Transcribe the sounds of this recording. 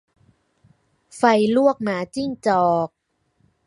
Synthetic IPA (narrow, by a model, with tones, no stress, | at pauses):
fa˧jlu˥˩ək̚maː˨˩˦t͡ɕi˥˩ŋt͡ɕɔː˨˩k̚